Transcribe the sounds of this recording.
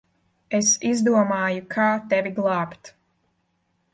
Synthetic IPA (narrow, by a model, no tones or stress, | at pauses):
esizd̪uɔmɑːjukʰaːt̪ɛvʲiɡlˠɑːpt̪